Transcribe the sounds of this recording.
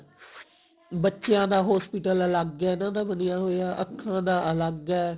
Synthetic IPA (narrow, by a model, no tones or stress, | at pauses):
bətːʃejãːd̪aːɦɔːspiʈələləɡːɛːnãːd̪aːbənijaːɦoːjaːʔəkʰːãːd̪aːʔələɡɛː